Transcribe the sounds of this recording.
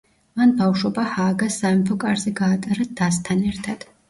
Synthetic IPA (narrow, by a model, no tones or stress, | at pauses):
manbawʃɔbahaːɡasamipʰɔkʼaɾzɛɡaːt̪ʼaɾad̪̥ast̪ʰanɛɾt̪ʰad̪̥